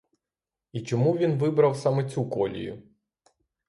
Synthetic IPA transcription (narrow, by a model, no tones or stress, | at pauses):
it͡ʃɔmuʋʲinʋɪbɾɐwsɑmɛt͡sʲukɔlʲḭjʊ̰